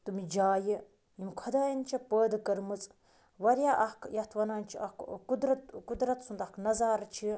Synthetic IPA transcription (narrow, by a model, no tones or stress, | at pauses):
t̪umid͡ʒaːji | jimkʰɐd̪aːjɐnt͡ʃʰipəːd̪kɐɾmɨt͡sʼ | ʋɐɾjaːʔɐhkʰjɐht̪ʰʋɐnaːnt͡ʃʰiɐ̰kkud̪ɾɐt̪kud̪ɾɐt̪sund̪ɐknɐzaːɾt͡ʃʰi